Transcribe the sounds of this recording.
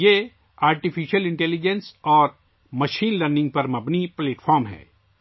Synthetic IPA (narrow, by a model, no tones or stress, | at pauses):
jeː | aːɾʈifʰiʃəlɪ̃ɳʈɛːlid͡ʒensɔːɾ | mɐʃiːnləɾnɪ̃ŋɡ̚pɐɾmɐbnipleːʈfʰɔːɾmɦɛ̰ː